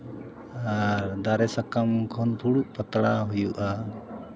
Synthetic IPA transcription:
aɾd̪aɾɛsakamkʰɔnpʰuɽuʔpət̪ɽaɦujuʔa

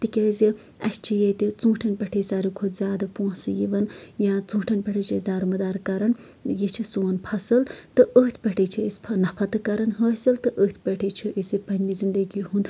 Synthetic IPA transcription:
t̪ikɐːzi | ɐst͡ʃʰijet̪it͡sũːʈʰɐnpɐʈʰisaːɾikʰod̪zʲaːd̪ɐpõːsɨjiʋɐnjãːt͡sũːʈʰɐnpɐʈʰit͡ʃʰid̪aːɾumɐd̪aːɾkɐɾɐn | jit͡ʃʰisoːnpʰɐsɨlt̪ɨəːt̪ʰpɐʈʰit͡ʃʰiispʰnɐpʰɐt̪ɨkɐɾɐnɦəːsɐlt̪ɨʔəːt̪ʰpɐʈʰit͡ʃʰiʔisipɐnʲlizind̪ɐɡiɦũːnd̪

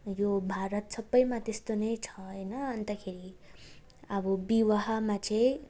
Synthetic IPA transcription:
jobʱaɾʌt̪sʌbːʌjmat̪est̪onʌjt͡sʰʌʌjnʌʌnt̪ʌkʰeɾi | ʌbʌbiwaɦʌmat͡sʌj̃

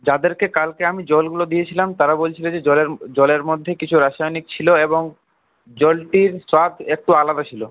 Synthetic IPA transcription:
d͡ʑad̪eɾkekalkeamid͡ʑɔlɡulod̪ijet͡ɕʰilamt̪aɾabolt͡ɕʰiled͡ʑeled͡ʑɔleɾmod̪ʱːekit͡ɕʰuɾaʃajonik̚t͡ɕʰiloeboŋ | d͡ʑɔlʈiɾswad̪ʱek̚ʈualad̪at͡ɕʰilo

